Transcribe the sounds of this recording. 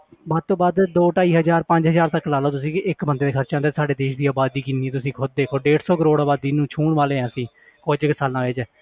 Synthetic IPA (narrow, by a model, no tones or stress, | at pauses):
baːd̪̚t̪õːbaːd̪d̪oːʈaːiːɦəd͡ʒaːɾpə̃ɲd͡ʒɦəzaːɾt̪əkːlaːloːt̪ʊs̬ĩːɪkbənd̪eːd̪eːkʰəɾt͡ʃãːnd̪eːsaːɖeːd̪eːʃd̪iːaːbaːd̪iːkɪniːɛ̃ːt̪ʊsĩːkʰʊd̪̚d̪eːkʰoːɖeːʈsɔːkəɾoːɽaːbaːd̪iːnũːt͡ʃʰuːɳʋaːleːɛ̃ːsĩː | koːd͡ʒəksaːlãːʋɪt͡ʃː